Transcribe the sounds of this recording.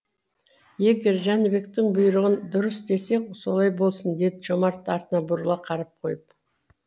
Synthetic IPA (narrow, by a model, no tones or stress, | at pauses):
je̞ɡʲe̞ɾʒænɪbe̞k̚t̪ɪɴbʊjɾəʁənd̪ʊɾəsd̪e̞se̞so̞lˠɑjbo̞lˠsənd̪e̞d̪ɪʒomɑɾt̪ːɑɾt̪ənɑbʊɾlˠɑqʰɑɾɑp̚qʰo̞jəp̚